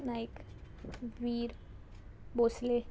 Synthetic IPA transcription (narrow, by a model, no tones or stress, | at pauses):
naɪk | ʋiːɾ | boːsle